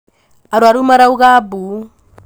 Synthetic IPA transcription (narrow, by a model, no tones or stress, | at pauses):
aɾwaɾumaɾauɣabu